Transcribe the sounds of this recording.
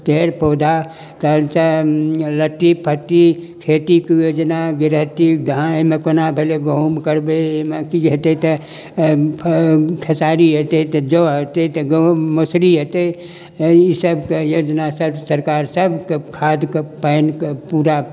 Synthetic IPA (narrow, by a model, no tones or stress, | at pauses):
peɾpoːd̪ʱa | t̪əlt͡ʃələt̪ːipʰət̪ːikʰet̪ikjod͡ʒnaɡɪɾɦət̪id̪ʱãemekonabʱeleɡoumkəɾbemekiɦot̪et̪ə | kʰəsaɾiɦot̪et̪əd͡ʒoɦot̪et̪əɡomosɾiɦot̪e | isəbʱkejod͡ʒnasəbsəɾkaɾsəbʱkekʰad̪kpəɪnkpuɾa